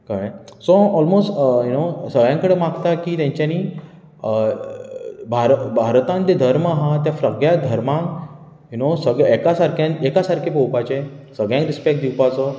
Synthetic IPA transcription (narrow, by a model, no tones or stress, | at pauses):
kasoɔlmosʈjunosəɡɭjãŋkəɽemaɡt̪akiːt̪jãɲt͡ɕjaniː | ə | bʱaɾbʱaɾt̪ãnt̪ed̪ʱəɾmaɦãt̪jafɾəɡɭjad̪ʱəɾmãŋk | junosəɡekasaɾkʰjãnekasaɾkʰepowpat͡ɕesəɡɭjãŋkɾispek̚ʈ̚d̪iwpat͡sɔ